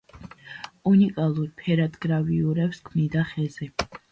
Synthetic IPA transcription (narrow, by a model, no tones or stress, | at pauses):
unikʼalˠuɾpʰɛɾad̪ɡɾaviuɾɛpskʰmnid̪aχɛzɛ